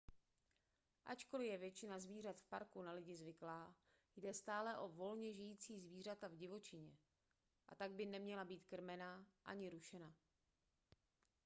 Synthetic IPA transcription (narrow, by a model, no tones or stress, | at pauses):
ʔat͡ʃko̞lɪjɛvjɛt͡ʃɪnazviːr̝at̪fpaɾkunalɪɟɪzvɪklaː | jdɛst̪aːlɛʔo̞vo̞lɲɛʒɪjiːt͡siːzviːr̝at̪avɟɪvo̞t͡ʃɪɲɛ | ʔa̰t̪aɡ̚bɪnɛmɲɛlabiːt̪kr̩mɛnaʔaɲɪɾuʃɛna